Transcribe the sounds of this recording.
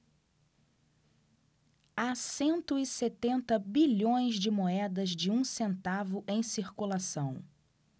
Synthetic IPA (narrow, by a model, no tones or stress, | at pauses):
asẽnt̪ʊɪset̪ẽnt̪ɐbiʎõj̃zd͡ʒɪmoɛd̪ɐzd͡ʒɪũsẽnt̪avʊʔẽj̃siɾkulasɐ̃w̃